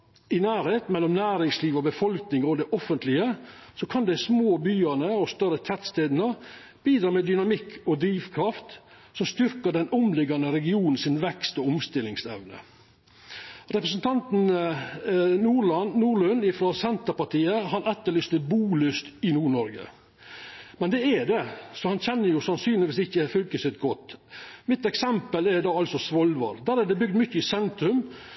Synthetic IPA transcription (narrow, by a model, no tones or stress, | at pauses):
ɪnæːɾheːt̪mɛlːɔmnæːɾɪŋsliːʋɔbəfɔlknɪŋɔd̪ɛʔɔfənt̪ʰlɪəsɔkʰɑnd̪ɛsmoːbyːənəɔst̪œɾət̪ʰɛt̪st̪eːd̪nə | b̥iːd̪ɾɑːmɛd̪ʏnɑmɪkʰːɔd̪ɾiːʋkʰɾɑft̪ | sɔmst̪ʏɾkəɖɛnɔmlɪɡɑnəɾɛɡɪuːnn̩sɪnʋɛkst̪ɔɔmst̪ɪlːɪŋsɛ̰ʋnə̰ | ɾɛpɾəs̬n̩t̪ʰɑnt̪n̩ | nuːɾɭɑnnuːɾɭʉnːɪfɾoːsɛnt̪əɾpɑʈiːəɦɑnɛt̪ːəɭyːst̪əbuːlyst̪ɪnuːɳɔɾɡə̰ | mɛnd̪ɛɛɖ̪ɛsɔhɑnçɛnːəɾjʊsɑnsyːnlɪʋiːsɪçːəfʏlkəsɪt̪ɡɔt̪ːmɪt̪ɛksɛmpəlɛɾd̪ɑːɑlsɔsʋɔlʋɑ̰ɾd̪æɾɛd̪ɛbʏɡd̪mʏçːəɪsɛnt̪ɾʉm